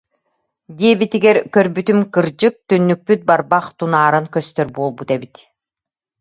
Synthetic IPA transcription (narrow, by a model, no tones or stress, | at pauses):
d̪iɛbit̪iɡɛɾkœɾbyt̪ymkɯɾd͡ʑɯk̚t̪ynːyk̚pyt̪̚baɾbaχt̪unaːɾɯŋkœst̪œɾbuɔlˠbut̪ɛbit̪